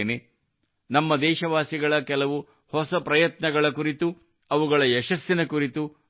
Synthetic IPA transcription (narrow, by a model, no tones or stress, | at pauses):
ne | nɐmːɐd̪ɛːʃɐʋaːsiɡɐɭɐkɛlɐʋu | hɔsɐpɾɐjɐt̪nɐɡɐɭɐkuɾit̪u | ɐʋuɡɐɭɐɛʃɐsːinɐkuɾit̪u